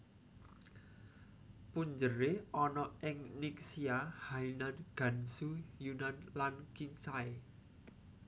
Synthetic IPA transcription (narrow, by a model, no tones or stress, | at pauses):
puɲd͡ʒəɾeɔnɔɪŋnik̚siahainanɡ̥ä̤nsujunanlankiɲt͡ʃae